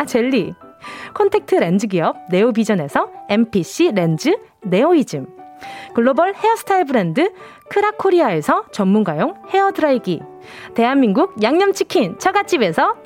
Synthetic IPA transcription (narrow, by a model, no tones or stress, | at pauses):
t͡ɕeʎːikʰontʰe̞k̚tʰɯɾe̞nd͡ʑɯɡiʌb̚ne̞obid͡ʑʌne̞sʰʌe̞mpʰiɕ͈iɾe̞nd͡ʑɯ | ne̞oid͡ʑɯmkɯɭːobʌɭhe̞ʌsʰɯ̥tʰaiɭbɯɾendɯ | kʰɯɾakʰoɾiae̞sʰʌt͡ɕʌmːunɡajoŋhe̞ʌdɯɾaiɡi | te̞ɦanminɡuk̚jaŋɲʌmt͡ɕʰikʰint͡ɕʰʌɡat͡ɕ͈ibe̞sʰʌ